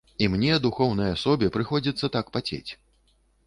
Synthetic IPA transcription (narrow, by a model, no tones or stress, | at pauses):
imnʲɛɐd̪uxɔwn̪ɐjɐasɔbʲɛpɾɨxɔd͡zʲit̪sːɐt̪akpat͡sʲḛt͡sʲ